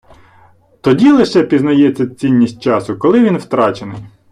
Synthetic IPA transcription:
t̪ɔdʲilˠɪʃɛpʲiznɐjɛt͡sʲːɐt͡sʲinʲːisʲt̚ʲt͡ʃɑsʊkɔlˠɪʋʲinwt̪ɾɑt͡ʃenɪj

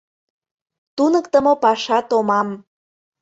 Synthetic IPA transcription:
t̪unəkt̪əmopɑʃɑt̪omɑm

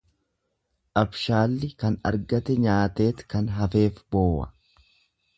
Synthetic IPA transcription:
ʔɐbʃaːlːɪkɐnɐ̰ɾɡɐt̪ɛɲaːt̪e̞ːt̪kɐnɦɐfe̞ːfboːwɐ̰

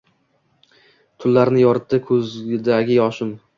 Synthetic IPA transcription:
t̪ʰʊlːaɾnɪjɒɾɪt̪ːɪkʰɵzd̪aɡʲɪjɒʃɪm

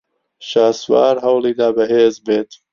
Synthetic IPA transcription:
ʃaːswaːɾɦɐwliːd̪aːbɐɦeːzbeːt̪

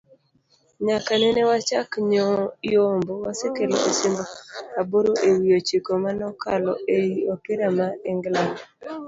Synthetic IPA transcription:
ɲakanɛnɛwat͡ʃakɲoombowasekelo̰ʔosɪmboaboɾoʔewijot͡ʃikomanɔkʰalɔ̰ejiokɪɾamaɛŋɡla

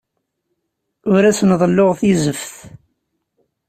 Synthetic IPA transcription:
ʊɾæsnðˤlːoʁθjzəfθ

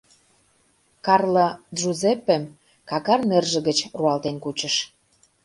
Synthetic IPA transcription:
kɑrlə̆ʒuzepːem | kɑkɑrmerʒə̆ɣə̆t͡ɕruɑlt̪enkut͡ɕə̆ʃ

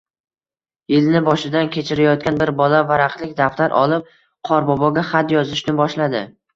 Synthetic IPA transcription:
jɪlnɪbɒʃɪd̪ankʲe̞t͡ʃʰɪɾajɒt̪̚kʲanbɪɾbɒlavaɾaqlɪkʲd̪aft̪aɾʔɒ̰lˠɪp̚ | qʰɒɾbɒbɒɡʲaχat̪jɒzɪʃnɪbɒʃlad̪ɪ

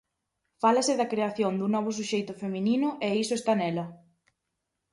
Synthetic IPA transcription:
falɐsɪðɐkɾeaθjond̪unɔβ̞ʊs̬uʃejt̪ʊfemĩninʊʔɛisʊest̪anɛlɐ

